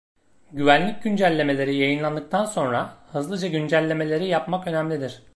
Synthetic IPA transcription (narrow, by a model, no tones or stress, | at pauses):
ɟyvænlʲic̚ɟynd͡ʒælʲːe̞me̞lʲe̞ɾijajɯnlˠand̪ɯk̚t̪ʰanso̞nɾahɯzlˠɯd͡ʒaɟynd͡ʒælʲːe̞me̞lʲe̞ɾijapmakø̞næmlʲid̪iɾ̥